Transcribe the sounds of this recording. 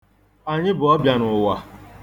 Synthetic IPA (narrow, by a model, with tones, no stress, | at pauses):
a˨ɲɪ˦bʊ˨ɔ˦bja˨nʊ˨wa˨